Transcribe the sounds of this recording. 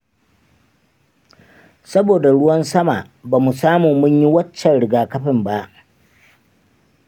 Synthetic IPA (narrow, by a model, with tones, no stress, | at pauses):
sɐ˦boː˨da˨ɽʊ˦wɐ˦nsɐ˦maː˨ | baː˨mu˨saː˦muː˨mʊ˦ɲji˦wɐ˦t͡ʃːɛ˨nɽɪ˨ɡaː˨kɐ˦ɸɪ˨mba˦ʔ